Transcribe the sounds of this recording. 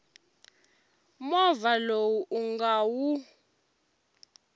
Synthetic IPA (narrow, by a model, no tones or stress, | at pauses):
mɔvalowuʔuŋɡawu